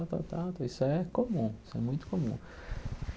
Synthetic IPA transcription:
t̪ɑ̰t̪ɑɑt̪ojsekomusḛmujt̪komṵ

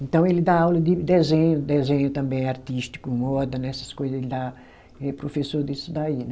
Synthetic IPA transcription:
ẽnt̪ɐ̃w̃elɪd̪aawlɐd̪ɪd̪ezẽɲʊd̪ezẽɲʊt̪ɐ̃mbẽj̃aɾt̪iʃt̪i̥kʊmɔd̪ɐnɛsɐskojzɐzelɪd̪a | ɛpɾofesoɾd̪isud̪ainɛ

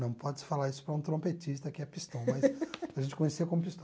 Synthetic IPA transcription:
nɐ̃w̃pɔd͡ʒɪsɪ̥falaɾisʊ̥pɾɐũt̪ɾõmpet͡ʃist̪ɐkɪɛpist̪ɐ̃w̃mɐjspɾɐʒẽnt͡ʃɪkõɲeseɐkõmʊpist̪

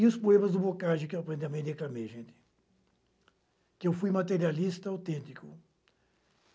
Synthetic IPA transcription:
ĩʊspoẽmɐzd̪ʊbokaʒɪ̃kewɐpɾẽnd̪ɐmẽd̪eklamejʒẽnt̪ɪ̥ | kɪewfujmat̪̬eɾialist̪ɐawt̪ẽnt̪ikʊ̰

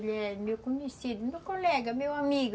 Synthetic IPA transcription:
lɛmewkumunisid̪mewkolɛɡɐmewamiɡ

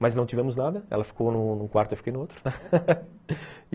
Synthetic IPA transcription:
mɐznɐ̃w̃t̪ivɛ̃mʊznad̪ɐɛ̰lɐfi̥kownʊ̃nũkwaɾt̪ʊewfikejnʊowt̪ɾʊnɛ

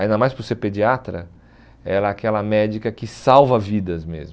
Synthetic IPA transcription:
aĩnd̪ɐmajsposeɾped͡ʒiat̪ɾɐ̰ | ɛlɐɛakɛlɐmɛd͡ʒikɐkɪsawvɐvid̪ɐzmḛzm

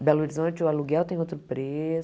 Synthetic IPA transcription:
bɛloɾizõt͡ʃɪʊaluɡɛwt̪ẽj̃ot̪ɾʊpɾes

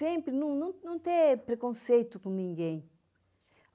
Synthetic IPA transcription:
ẽmpɾɪnɐ̃w̃nɐ̃w̃nɐ̃w̃t̪ẽpɾekõsejt̪ukõnĩŋɡẽj̃

